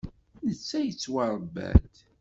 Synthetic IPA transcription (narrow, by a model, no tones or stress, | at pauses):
nət͡sːæjət͡sːwaɾˤəbːæ̰d̪